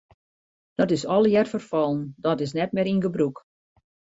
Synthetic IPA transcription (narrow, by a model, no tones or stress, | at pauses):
d̥ɔtɪsɔlˠəjɛrfərfɔlˠəndɔtɪs̬nɛt̚mɪɾinɡəbruk